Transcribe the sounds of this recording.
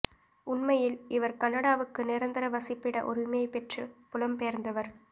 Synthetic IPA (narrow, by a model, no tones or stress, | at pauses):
ʊnmɐjɪlɪʋɐɾkɐnːɐɽaːʋɯkːɯnɪɾɐnd̪ɪɾɐʋɐsɪpːɪɽɐ̰ʔɔɾɯmeɐɪpɛʈrɯpʊlɐmpeːɾnd̪ɐʋɐɾ